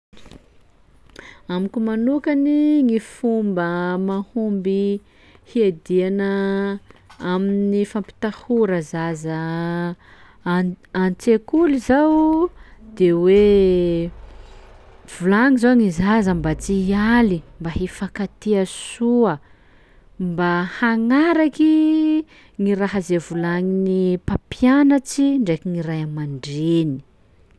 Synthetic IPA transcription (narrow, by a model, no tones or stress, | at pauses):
amikumanukaniŋifumbəmahumbi | hied̪ianə | aminifampi̥t̪ahuɾəzazə | ant͡sekulizaw | d̪̥ewe | v̥ulaŋizaŋizazəmbat͡sialimbaɦefakat̪iasuə | mbahaŋaɾaki | ŋiɾaɦəzevulaŋinipapjanət͡siɳɖ͡ʐekiŋiɾajamaɳɖ͡ʐeni̥